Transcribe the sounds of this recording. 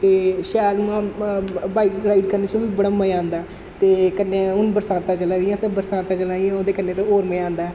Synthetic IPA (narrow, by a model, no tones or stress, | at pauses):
t̪eːʃɛːlʊãːbaːiːɾaːiɖkəɾneːt͡ʃõːʋiːbəɽaːməãːnd̪aː | t̪eːkənːeːʊnbəɾsãːt̪ãːt͡ʃəlãːd̪ɪjãːt̪ãːbəɾsaːt̪aːt͡ʃəlãːijãːoːd̪eːkənːeːt̪ãːoːɾməeãːnd̪aː